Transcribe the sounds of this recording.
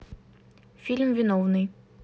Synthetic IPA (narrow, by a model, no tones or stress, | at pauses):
fʲilʲmvʲɪnɔvnɨj